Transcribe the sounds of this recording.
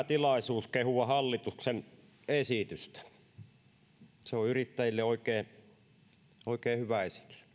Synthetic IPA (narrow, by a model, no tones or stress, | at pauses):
t̪ilɑisuːskehuɑhɑlːit̪uksen | esit̪yst̪æ̥ | seoyrit̪ːæjilːeoikˑeː | oˑikeːhyʋæesi̥t̪y̥s